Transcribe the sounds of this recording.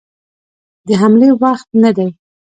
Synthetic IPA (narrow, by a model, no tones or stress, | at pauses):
d̪əɦamlewaxt̪̚nad̪aj